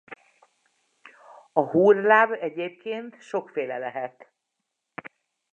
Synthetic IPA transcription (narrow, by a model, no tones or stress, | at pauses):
ɒhuːrlaːbɛɟeːp̚keːnt̪ʃo̞kfeːlɛlɛɦɛt̪